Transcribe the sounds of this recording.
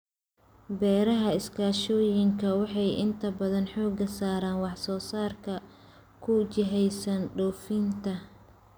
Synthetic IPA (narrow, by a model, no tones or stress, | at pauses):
bɛːɾɐɦɐɪskʰaːʃɔːjɪŋkʰɐwɑħɑjʔɪ̰nt̪ʰɐbɐðɐnħɔːɡɐsaːɾaːnwɑħsɔːsaːrkʰɐ | kʰʊt͡ʃɪɦɛjsɐnɖɔːfiːnt̪ʰɐ